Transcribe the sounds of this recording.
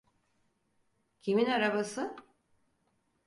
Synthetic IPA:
cʰiminaɾabasɯ

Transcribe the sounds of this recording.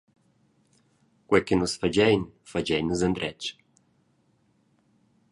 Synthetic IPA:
kwɛkenusfad͡ʒɛjnfad͡ʒɛjnəzənd̪ɾɛt͡ʃ

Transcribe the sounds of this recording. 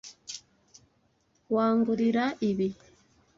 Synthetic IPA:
waːŋɡuɾiɾaʔiβi

